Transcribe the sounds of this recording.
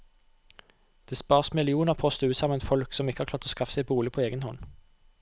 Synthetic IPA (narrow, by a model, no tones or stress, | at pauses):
d̪̥eːspɑːʁsmɪlɪuːnəʁpʰɔst̪əʉːsɑmənfɔlksɔmɪkːəhɑʁklɑːʁt̪oːskɑfsæɛɪbuːlɪpʰoːeːɡənhɔn